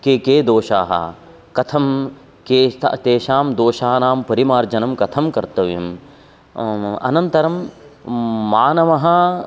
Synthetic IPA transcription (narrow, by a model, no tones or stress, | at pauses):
kekeːd̪oːʃaːɦɐ̰ | kɐt̪ʰɐm | kḛːt̪eːʃaːmd̪oːʃaːnaːmpɐɾimaːɾd͡ʒɐnɐmkɐt̪ʰɐmkɐɾt̪ɐʋijɐm | ɐ̰nɐnt̪ɐɾɐmː | aːnɐʋɐɦɐ